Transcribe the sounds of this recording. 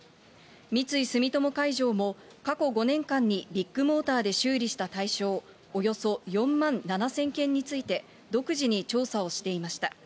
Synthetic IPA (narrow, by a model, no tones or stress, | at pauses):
mʲit͡sɨisɨmʲit̪o̞mo̞kaiʑo̞ːmo̞ | kako̞ɡo̞nẽ̞ŋkãɲ̟ːibʲikːɯ̟mo̞ːt̪aːd̪e̞ɕɨːɾʲiɕi̥t̪at̪aiɕo̞ː | ojo̞so̞jõ̞mːãnːanasẽ̞ŋkẽ̞ɲ̟ːit͡sɨit̪e̞ | d̪o̞kɯ̟ʑiɲ̟it͡ɕo̞ːsao̞ɕi̥t̪e̞imaɕi̥t̪a